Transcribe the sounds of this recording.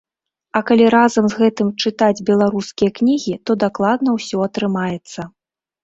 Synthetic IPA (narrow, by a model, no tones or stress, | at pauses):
ɐkalʲiɾazɐmzɣɛt̪ɨmt͡ʂɨt̪ad͡zʲbʲɛlˠaɾuskʲijɐknʲiɣʲit̪ɔd̪aklˠad̪nɐwsʲɔɐt̪ɾɨmajɛt̪sːɐ